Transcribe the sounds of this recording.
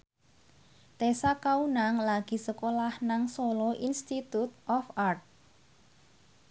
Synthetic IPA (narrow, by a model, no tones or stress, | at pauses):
t̪esakaunaŋlaɡ̥i̤səkolahnaŋsolɔʔinst̪it̪ut̪̚ʔɔfart̪̚